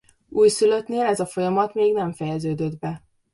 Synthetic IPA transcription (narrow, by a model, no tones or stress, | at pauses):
uːjsylø̞t̪neːlɛzɒfo̞jɒmɒt̪meːɡnɛɱfɛjɛzøːd̪ø̞d̪bɛ